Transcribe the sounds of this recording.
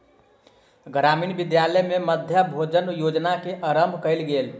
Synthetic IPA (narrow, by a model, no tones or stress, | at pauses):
ɡɾamiːnbɪd̪jaləmeməd̪ʱjəbʱod͡ʒənjod͡ʒnakeʔəɾəmbʱkəɪlɡeːl